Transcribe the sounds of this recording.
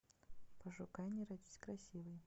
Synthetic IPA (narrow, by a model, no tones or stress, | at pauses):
pəʐʊkajnʲiɾad̪ʲi̥sʲkɾɐsʲivɨj